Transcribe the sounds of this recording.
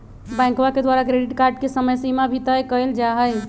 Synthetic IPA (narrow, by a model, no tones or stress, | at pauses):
bɛ̃ŋkwaked̪waɾakɾeɖiʈkaɾɖkesəməjsimabʱit̪əjkəjld͡ʒaɦəj